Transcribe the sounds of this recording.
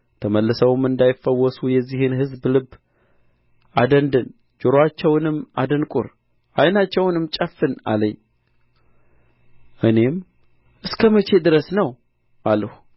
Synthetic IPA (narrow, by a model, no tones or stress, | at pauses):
t̪ʰəməlːɨsəwɨmɨnd̪ajɪfːəwːɔsujɛzːihɨnhɨzblɨb | ʔad̪ənd̪ɨn | d͡ʒʊɾoat͡ʃːɛwnɨma̰d̪ənkʼʊ̰ɾ | ʔajnat͡ʃːɛwnɨmt͡ʃʼəfːɨna̰ləɲː | ʔɨne̞m | ʔɨskʰəmət͡ʃʰe̞d̪ɨɾəsnəw | ʔalːəhu